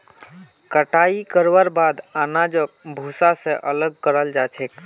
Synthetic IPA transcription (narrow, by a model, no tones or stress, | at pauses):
kəʈaikəɾʋəɾbad̪anad͡ʒək̚bʱusasẽʔələɡ̚kəɾəld͡ʒat͡ʃʰek